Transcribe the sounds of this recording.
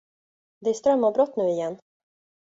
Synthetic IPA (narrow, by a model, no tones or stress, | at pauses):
d̪ɛæʂt̪ɾœmːabɾɔt̪ːnʉ̟ːɪjɛnː